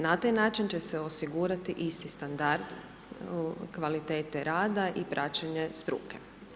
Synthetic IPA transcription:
nat̪ajnaːt͡ʃint͡ɕe̞seo̞siɡuːɾat̪iʔist̪ist̪and̪aɾd̪ | kʋalit̪eːt̪eɾaːd̪aʔipɾʔat͡ɕeɲest̪ɾṵːke

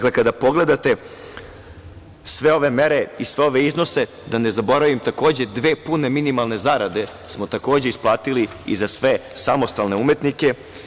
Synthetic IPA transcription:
kle̞kad̪apo̞ɡle̞d̪at̪e̞ | sʋe̞o̞ʋe̞me̞ɾe̞isʋeo̞ʋe̞izno̞se̞ | d̪ane̞zabo̞ɾaʋimt̪ako̞ːd͡ʑed̪ʋe̞ːpune̞minimalˠne̞zaɾad̪e̞ | smo̞t̪ako̞ːd͡ʑeisplˠaːt̪ili | ḭzasʋe̞samo̞st̪alne̞ume̞t̪nike̞

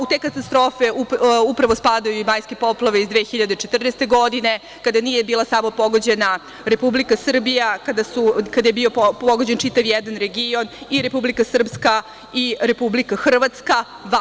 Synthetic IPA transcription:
ut̪e̞kat̪ast̪ɾo̞ːfe̞uupɾaʋospaːd̪ajuimaːjskepo̞plˠaʋeizd̪ʋexiʎad̪et͡ʃet̪r̩nest̪e̞ɡo̞d̪ine̞ | kad̪anije̞biːlˠasaːmo̞po̞ɡo̞d͡ʑe̞na | ɾe̞publikasr̩bijakad̪asukad̪aje̞bio̞po̞ɡod͡ʑe̞nt͡ʃit̪aʋjɛd̪anɾe̞ɡio̞niɾe̞publikasr̩pska | iɾe̞publikaxr̩ʋat̪ska

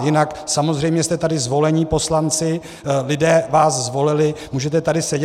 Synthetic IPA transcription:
jɪnaksamo̞zrɛjmɲɛst̪ɛt̪adɪzvo̞lɛɲɪpo̞slant͡sɪ | lɪdɛːvaːszvo̞lɪlɪmuːʒɛt̪ɛt̪adɪsɛɟɛ

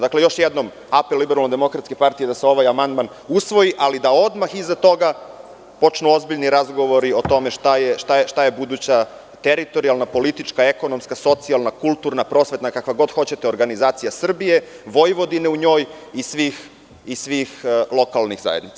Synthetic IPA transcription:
d̪akle̞jo̞ʃjed̪nom | apelːibeɾalnod̪emo̞kɾat̪ske̞paɾt̪ijed̪aseo̞ʋajamand̪man | usʋo̞jiʔalid̪ao̞d̪maxizat̪o̞ɡa | po̞t͡ʂnuo̞zbiʎniɾazɡo̞ʋo̞ɾio̞t̪o̞me̞ʃt̪ajeʃt̪aet̪ajebud̪uːt͡ɕa | t̪eɾit̪o̞ɾialˠnapo̞lit̪it͡ʂkae̞ko̞no̞mskaso̞t̪sialˠnakulˠt̪uːɾnapɾo̞ːsʋe̞t̪nakakʋaɡo̞d̪xot͡ɕe̞t̪eo̞ɾɡanizaːt̪sijasr̩bije̞ʋo̞jʋo̞d̪ineuɲo̞ːjisʋiːx | isʋiːxlˠo̞kalˠnixza̰jed̪nit̪sḁ

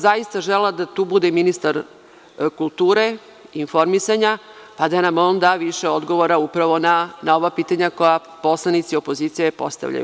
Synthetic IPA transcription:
zajist̪aʒelad̪at̪uːbud̪eminist̪aɾ | kulˠt̪uːɾe̞ | info̞ɾmisaɲa | pad̪anamo̞ːnd̪aʋiʃeo̞d̪ɡo̞ʋoɾaupɾaʋo̞nanao̞ʋapiːt̪aɲako̞ja | po̞slˠanit̪siopoziːt̪sijepo̞̰st̪a̰ʋʎa̰jṵ

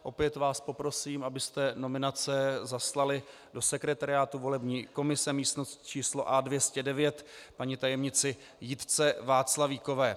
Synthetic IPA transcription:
ʔo̞pjɛt̪vaːspo̞pɾo̞siːmʔabɪst̪ɛno̞mɪnat͡sɛzaslalɪ | do̞sɛkɾɛt̪aɾɪaːt̪uvo̞lɛbɲiːko̞mɪsɛmiːst̪no̞st̪t͡ʃiːsloʔadvjɛscɛdɛvjɛt̪paɲɪt̪ajɛmɲɪt͡sɪ | jɪt̪t͡sɛvaːt͡slaviːko̞vɛː

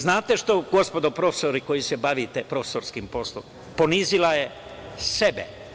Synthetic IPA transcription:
znaːt̪eʃt̪o̞ɡo̞spo̞d̪opɾofesoɾiko̞jisebaʋit̪epɾofe̥soɾskimpo̞slˠom | po̞nizilaje | sebḛ

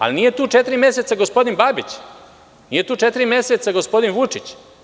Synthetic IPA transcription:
a̰linije̞t̪uːt͡ʃet̪iɾimʲjeset̪saɡospo̞d̪inbaːbit͡ɕ | nijet̪uːt͡ʃet̪iɾimjeset̪saɡospo̞d̪inʋut͡ʂit͡ɕ

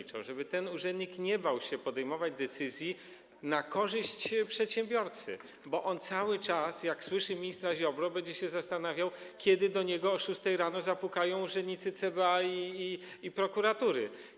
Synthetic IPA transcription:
it͡ʂɔ̰wʐɛbɘt̪ɛnuʐɛnd̪ʲɲikɲɛbawɕɛpɔd̪ɛjmɔvad͡ʑd̪ɛt̪sɘzʲji | nakɔʐɘɕt͡ɕpʂɛt̪ɕɛmbʲjɔɾt̪sɘ̰ | bɔʔɔnt̪sawɘt͡ʂasjakswɘʂɘmʲiɲist̪ɾaʑɔbɾɔbɛɲd͡ʑɛɕɛzast̪anavʲjaw | kʲjɛd̪ɘd̪ɔɲɛɡɔːʂust̪ɛjɾanɔzapukajɔ̃w̃uʐɛnd̪ʲɲit̪sɘt̪sɛbaiː | ipɾɔkuɾat̪uɾɘ

